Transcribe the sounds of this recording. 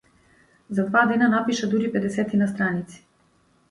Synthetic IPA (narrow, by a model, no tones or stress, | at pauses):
zad̪vad̪ɛnanapiʃad̪uɾipɛd̪ɛsɛt̪inast̪ɾanit̪si̥